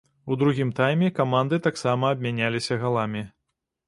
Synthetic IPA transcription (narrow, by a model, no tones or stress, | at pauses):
ud̪ɾuɣʲimt̪ajmʲɛkamand̪ɨt̪aksamɐːb̚ʲmʲanʲalʲisʲɐɣalˠamʲi